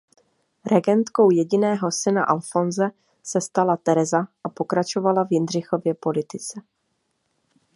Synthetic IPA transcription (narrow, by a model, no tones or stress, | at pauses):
ɾʔɛɡɛnt̪ko̞wjɛɟɪnɛːɦo̞sɪna̰ʔalfo̞nzɛ | sɛst̪alat̪ɛɾɛzaʔapo̞kɾat͡ʃo̞valavjɪnr̝ɪxo̞vjɛpo̞lɪt̪ɪt͡sɛ